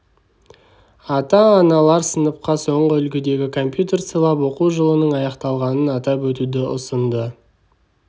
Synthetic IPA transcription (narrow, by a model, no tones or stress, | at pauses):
ɑt̪ɑːnɑlˠɑɾsənəp̚qɑso̞ɴʁəʏlɡʲɪd̪e̞ɡʲɪkʰo̞mpjut̪e̞rt̪səlˠɑpwo̞quwʒəlˠənəɴɑjɑqt̪ɑlˠʁɑnənɑt̪ɑpwɵt̪ud̪ɪʊ̰sənd̪ə